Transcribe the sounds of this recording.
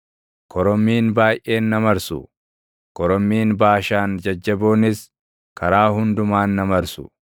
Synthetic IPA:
kʰɔɾɔmːiːnbaːjʔe̞ːnːɐmɐɾsʊ̰ | kɔɾɔmːiːnbaːʃaːnd͡ʒɐd͡ʒːɐboːnɪs | kʰɐɾaːɦʊnd̪ʊmaːnːɐmɐɾsʊ̰

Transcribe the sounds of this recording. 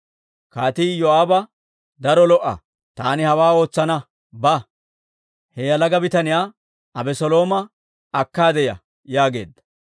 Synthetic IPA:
kaːt̪ijɔaːbɐ | d̪ɐɾɔlɔʔːɐ̰ | t̪aːnɪhɐwaːo̞ːt͡sːɐnɐ | bɐ | hɛjɐlɐɡɐbɪt̪ɐnɪjaː | ɐbɛsɔlo̞ːmɐː | kːaːd̪ɛjɐ̰ | jaːɡe̞ːd̪ːɐ̥

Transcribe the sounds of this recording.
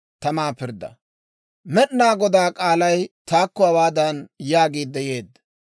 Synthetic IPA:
t̪ɐmaːpɪɾd̪ɐ̰ | mɛɗnaːɡɔd̪aːkʼaːlɐjt̪aːkːɔɐwaːd̪ɐnjaːɡiːd̪ːɛjeːd̪ːɐ̥

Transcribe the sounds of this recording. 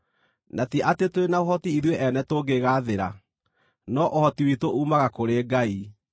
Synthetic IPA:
natiʔatetoɾenaoɦɔtiiðweʔɛnɛtoɡeɣaːðeɾa̰ | nɔʔohɔtiwitoʔuːmaɣakoɾeːɡai

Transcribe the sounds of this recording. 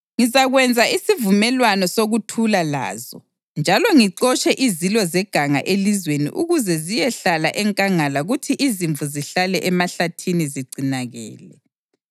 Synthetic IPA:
ŋizaɣwɛnd͡zʱaisivumɛlwanɔsoɣutʰulala̰ːzɔ | nd͡ʒʱalɔŋiǀɔt͡ʃʼɛʔizilɔzɛɡ̥ʱaŋa̰ʔelizwenḭʔuɣuzɛzijɛɬala̰ʔɛŋkʼaŋalaɣutʰiʔiziɱvuziɬalɛʔɛmaɬatʰiniziɡ͡ǀʱinaɣɛ̰ːlɛ

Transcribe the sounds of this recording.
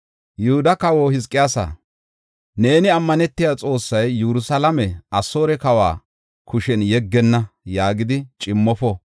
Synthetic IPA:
jʊhʊd̪ɐkɐwohɪskʼːɪjaːsa̰ | ne̞ːnɪɐmːɐnɛt̪ːɪjat͡sʼo̞ːsːɐjːuɾʊsalɐmɛʔɐso̞ːɾɛkɐwa̰ː | kʰʊʃɛnjɛɡːɛnːɐjaːɡɪd̪ɪt͡ʃʼɪmːɔfɔ

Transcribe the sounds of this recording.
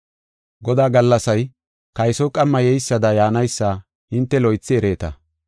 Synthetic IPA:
ɡɔd̪aːɡɐlːɐsɐj | kɐjsɔkʼɐmːɐjɛjsːɐd̪ɐjaːnɐjsːa | ɪnt̪ːɛlɔjt͡sːɪɛɾe̞ːt̪ɐ

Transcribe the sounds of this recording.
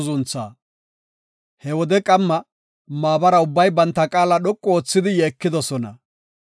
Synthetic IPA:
zʊnt͡sːa̰ː | hɛwɔd̪ɛkʼɐmːɐ | maːbɐɾɐʊbːɐjbɐnt̪ːɐkʼaːlɐɗɔkʼːɔoːt͡sːɪd̪ɪjeːkːɪd̪ɔsɔnɐ̰

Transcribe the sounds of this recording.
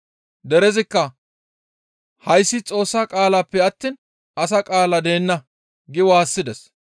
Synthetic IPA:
d̪ɛɾɛzɪkːɐ | hɐjsːɪt͡sʼo̞ːsːakʼaːlaːpːɛɐt̪ːiːn | ɐsɐkʼaːlɐd̪e̞ːnːɐ | ɡɪwaːsːɪd̪ɛs

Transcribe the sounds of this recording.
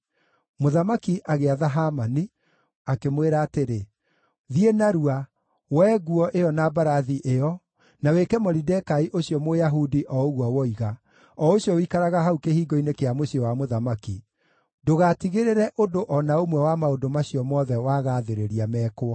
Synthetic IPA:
moðamakiʔaɣeaðaɦamani | akemweɾaːteɾe | ðienaɾua | wɛːɣuɔʔeɔnabaɾaðiʔeɔ | nawekɛmɔɾidɛkaiʔoɕjɔmojaɦudiʔɔoɣwawɔiɣa | ɔoɕjɔikaɾaɣaɦaukehiːɡɔinekeamoɕijɔwamoðamaki | doɣatiɣeɾeɾɛʔodoʔɔnaomwɛwamaodomaɕiɔmɔðɛwaːɣaːðeɾeɾiamɛkoɔ

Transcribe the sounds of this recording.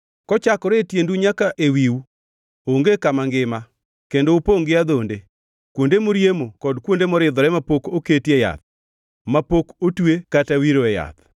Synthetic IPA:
kɔt͡ʃakɔɾetjenduɲakaʔewiwu | oŋɡekamaŋɡɪma | kendoupoŋɡɪad̪onde | kwondemoɾjemokɔdkwondemɔɾɪd̪ɔɾɛmapokoketeja̰t̪̚ | mapokotwekatawiɾoɛja̰t̪

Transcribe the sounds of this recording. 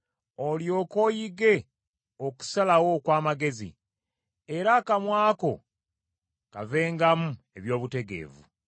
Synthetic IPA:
oljo̞ːko̞jiɡe̞ | oku̥salawo̞kwaːmaɡe̞zḭ | eɾakamwaːko̞̰ | ka̰ve̞ːŋɡamueβjo̞ːβute̞ɡe̞̰ːvṵ

